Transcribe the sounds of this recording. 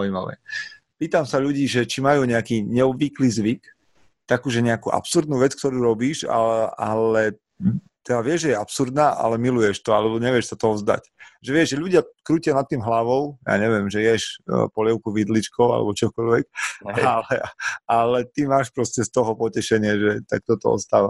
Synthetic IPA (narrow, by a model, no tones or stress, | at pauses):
zauimaʋɛ̰ | piːt̪amsaʎuɟiːʒɛt͡ʃimajuːɲɛakiːɲɛɔbʋikliːzʋik | t̪akuʒɛɲɛakṵʔa̰psuɾd̪nuːʋɛt͡skt̪ɔɾuːɾɔbiːʃa̰alɛ | t̪ɛd̪aʋɪɛʒʒɛjɛapsuɾd̪naːʔa̰lɛmilujɛʃt̪ɔalɛbɔɲɛʋɪɛʃsat̪ɔɔvzd̪a̰cʒɛʋɪɛʒʒɛʎuɟɪakɾuːcɪanat̪ːiːmɦlaʋɔʊja̰ːɲɛʋɪɛmʒɛjɛʃpɔlɛʊkuʋid̪lit͡ʃkɔʊa̰lɛ̰bɔt͡ʃɔkɔʎʋɛk̚alɛalɛt̪imaːʃpɾɔscɛst̪ɔɦɔpɔcɛʃɛɲɪɛʒɛt̪a̰k̚t̪ɔt̪ɔɔ̰st̪aːʋa